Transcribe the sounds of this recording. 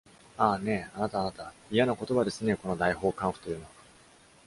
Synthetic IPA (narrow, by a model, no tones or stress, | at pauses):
aːne̞anat̪aːnat̪aijanoko̞t̪o̞βad̪e̞sɨne̞ko̞no̞d̪aiho̞ːkãɰ̃ɸɯ̥t̪o̞jɯ̟ːno̞βa